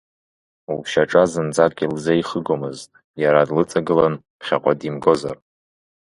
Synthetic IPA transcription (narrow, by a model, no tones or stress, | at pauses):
uʃaʈ͡ʂʼazɨnd͡zakʼʲilzaiχəɡomɨztʼ | jaɾadlɨt͡sʼaɡɨlan | pχʲaqʷʼadimɡo̞za̰r